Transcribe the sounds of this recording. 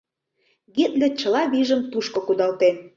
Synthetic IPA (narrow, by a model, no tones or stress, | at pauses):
ɡit̪lĕt͡ɕə̆lɑβiʒə̆mt̪uʃkŏkud̪ɑlt̪en